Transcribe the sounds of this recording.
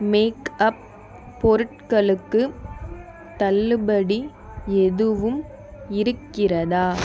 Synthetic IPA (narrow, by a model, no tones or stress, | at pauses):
meːkɐp̚ː | ɔɾɯʈ̚kɐɭɯkːɯ | t̪ɐlːɯbɐɽi | ɛðɯʋɯm | ɪɾɯkːɪrɐðaː